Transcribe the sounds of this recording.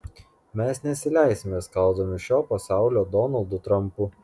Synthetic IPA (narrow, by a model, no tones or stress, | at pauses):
mʲɛsnʲɛtsʲɪlʲæˑɪsʲɪmʲeːskɐlˠd̪oːmʲɪʃʲoːpɐsɑˑʊlʲoːd̪ɔnɐlˠd̪ʊt̪ɾɐmpu